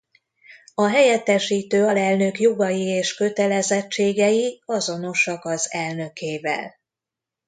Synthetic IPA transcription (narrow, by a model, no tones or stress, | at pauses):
ɒɦɛjɛt̪ːɛʃiːt̪øːɒlɛlnøkjoɡɒjieːʃkø̞t̪ɛlɛzɛt͡ʃːeːɡɛjiɒzo̞no̞ʃɒkɒzɛlnø̞keːvɛ̰l